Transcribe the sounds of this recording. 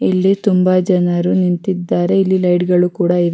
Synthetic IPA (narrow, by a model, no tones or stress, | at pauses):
ilːit̪umbɐd͡ʒɐnɐɾunint̪id̪ːaːɾe̞ilːilɐjɖɡɐɭukuːɽɐiʋ